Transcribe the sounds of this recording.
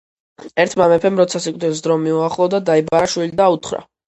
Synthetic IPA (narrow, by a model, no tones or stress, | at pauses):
ɛɾt̪ʰmamɛpʰɛmɾɔt̪sʰasikʼd̪ɛs̬d̪ɾɔmiuaχlˠɔd̪ad̪aibaʃwilid̪aut̪ʰχɾa̰